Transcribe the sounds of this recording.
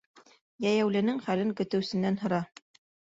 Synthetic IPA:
jæjæwlɘ̆nɘŋχælɘŋkɵ̆t̪ɘ̆wsɘ̆nːænɦɤ̆ɾɑ

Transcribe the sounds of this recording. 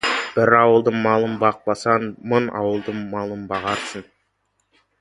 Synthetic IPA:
b̥ɪɾɑwəlˠd̪əɴmɑlˠəmbɑq̚bɑsɑnmənɑ̰wəlˠd̪əɴmɑlˠəmbɑʁɑɾsən

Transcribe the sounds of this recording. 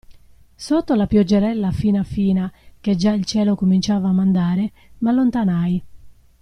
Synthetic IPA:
sot̪ːolapjɔd͡ʒeɾɛlːafiːnafiːnaked͡ʒailt͡ʃɛːlokomint͡ʃaːvaːmːand̪aːɾe | malːont̪anaj

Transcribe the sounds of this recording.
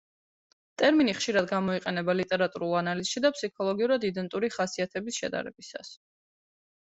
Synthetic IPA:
t̪ʼɛɾminiχʃiɾad̪ɡamɔiqʼɛnɛbalit̪ʼɛɾat̪ʼuɾulˠanaliz̥ʃid̪apʰsikʰɔlˠɔɡiuɾad̪id̪ɛnt̪ʼuɾiχasiat̪ʰɛbisʃɛ̰d̪a̰ɾɛ̰bisa̰s

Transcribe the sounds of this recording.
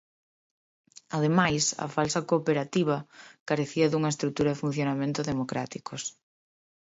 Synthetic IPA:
aðemajsɐ̰falsɐkopeɾat̪iβ̞ɐkaɾeθiɐðuŋɐest̪ɾut̪uɾɐðɪfun̟θjonamẽnt̪ʊðemokɾat̪ikos

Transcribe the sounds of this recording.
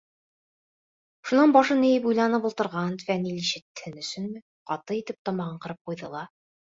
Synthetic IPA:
ʃunɑnbɑʃɤnɘ̆jɘpujlˠɑnɤpulˠt̪ɤ̆ɾʁɑnt̪fæniliʃɘ̆t̪ːɘ̥hɘnɵ̆sɵnmɘ | qɑt̪ɤit̪ɘp̚t̪ɑmɑʁɤɴqɤ̆ɾɤp̚qujðɤ̰̆lˠɑ

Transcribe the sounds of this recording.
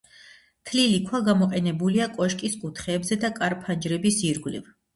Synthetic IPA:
t̪ʰlilikʰwaɡamɔqʼɛnɛbuliakʼɔʃkʼiskʼut̪ʰχɛːbzɛd̪akʼaɾpʰand͡ʒɾɛbisiɾɡlḭv

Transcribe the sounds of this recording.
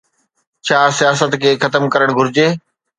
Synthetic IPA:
t͡ɕʰaːsijaːsət̪kʰeːxɐt̪əmkəɾəɽ̃ɡʱʊɾɪd͡ʑeː

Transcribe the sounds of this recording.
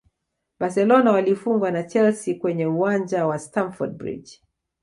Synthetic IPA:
basɛlɔnawalifuŋɡwanat͡ʃɛlsikwɛɲɛuand͡ʒawastanfɔd̚bɹḭd͡ʒ

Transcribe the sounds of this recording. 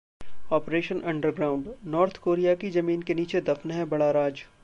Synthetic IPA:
ɔːpɾeːʃənʔɐ̃ɳɖəɾɡɾaːʊ̃ɳɖnɔːɾt̪ʰkoːɾijakizɐmiːnkeniːt͡ʃed̪ɐfnɦɛ̃bɐɽaɾaːd͡ʒ

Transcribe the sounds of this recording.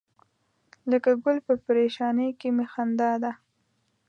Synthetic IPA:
ləkaɡʊlpəpɾeʃɑnəjkemexand̪ɑd̪a

